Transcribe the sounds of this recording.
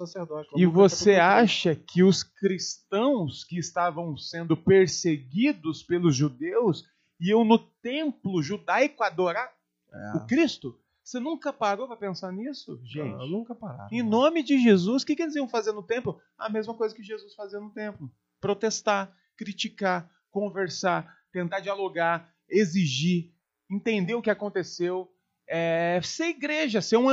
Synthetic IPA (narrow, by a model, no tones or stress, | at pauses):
saseɾd̪ɔt͡ʃɪvoseaʃɐkʰɪʊskɾist̪ɐ̃w̃skɪːst̪avɐ̃w̃sẽnd̪ʊpeɾseɡid̪ʊspelʊzʒud̪ews | iẽw̃nʊt̪ẽmplʊʒud̪ajkʊad̪oɾaɾ | ʊkɾist̪ʊ | senũkɐpaɾopapẽsaɾnisʊ̰ʒẽnt͡ʃɪũkɐpaɾa̰ẽnõmɪd͡ʒɪʒezuskɪkɪelɪziɐ̃w̃fazeɾnʊt̪ẽmplʊ | aɐ̰mezmɐkojzɐkɪʒezusfaziɐnʊt̪ẽmplʊ | pɾot̪est̪a | kɾit͡ʃika | kõveɾsat̪ẽnt̪ad͡ʒialoɡa | eziʒi | ẽt̪ẽnd̪eʊkɪakõnt̪esew | ɛseɾiɡɾeʒɐseũ